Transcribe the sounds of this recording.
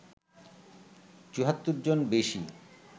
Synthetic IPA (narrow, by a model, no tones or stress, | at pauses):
t͡ɕuɦat̪ːuɾd͡ʑonbeʃi